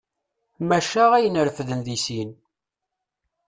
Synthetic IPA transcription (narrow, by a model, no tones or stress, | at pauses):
mæʃæʁæjənəɾfðənðisin